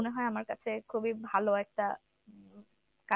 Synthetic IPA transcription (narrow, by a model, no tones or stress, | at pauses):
oneɦɔeamaɾkat͡ɕʰekʰubibʱaloɛk̚ʈa | ka